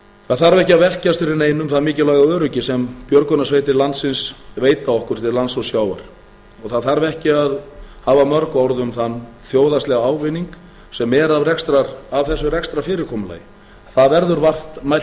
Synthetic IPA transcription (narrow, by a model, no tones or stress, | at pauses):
θaðθaɾvɛhcɪaðvɛl̥cast̪fɪɾɪɾneːjnʏmθaðmɪːcɪlaːɣaœːɾʏcɪsɛmpjœɾkɔnasveːjt̪ɪɾlant̪sɪnsveːjt̪aɔhkʏɾ̥t̪ʰɪllant̪sɔsjaːwva̰ɾ̥ | ɔɣθaðθaɾvɛhcɪaðhaːvamœɾkɔɾðʏmθanːθjoːwðast̪lɛɣaaːwvɪniŋk | sɛmɛɾavrɛkst̪ɾaɾavθɛsːʏrɛkst̪ɾafɪːɾɪɾkʰɔːmʏla̰ːjɪ | θaðvɛɾðʏɾvar̥t̪maj̪